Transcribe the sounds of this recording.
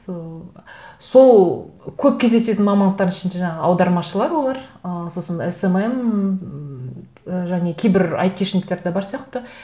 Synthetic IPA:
o | so̞lˠkʲʰɵp̚kʲʰe̞zd̪ese̞t̪ɪnmɑmɑnd̪əqt̪ɑɾənɪʃɪnd̪eʒɑɴɑʁəɑwd̪ɑɾmɑʃəlˠɑɾwo̞lˠɑɾəso̞sənesemem | əʒæne̞kʲʰejbɪɾɑ̰jt̪ʰeʃnɪk̚t̪e̞ɾd̪ebɑɾsijɑqt̪ə

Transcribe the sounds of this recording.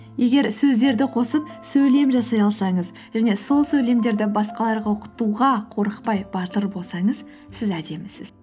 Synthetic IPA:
je̞ɡʲe̞ɾsɵzd̪e̞ɾd̪ɪqʰo̞səp̚sɵjle̞mʒɑsɑjɑlˠsɑɴəz | ʒ̥æne̞so̞lˠsɵjle̞md̪e̞ɾd̪ɪbɑsqɑlˠɑɾʁɑwoqə̥t̪uʁɑqʰo̞ɾəqpɑjbɑt̪əɾbo̞lˠsɑɴəz | sɪzæd̪e̞mɪsɪz̥

